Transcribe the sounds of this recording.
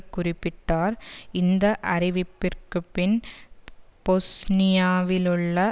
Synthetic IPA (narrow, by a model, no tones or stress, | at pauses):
kʊrɪpːɪʈːaːɾɪnd̪ɐʔɐɾɪʋɪpːɪrkɯpːɪn | bosnɪjaːʋɪlɯɭːɐ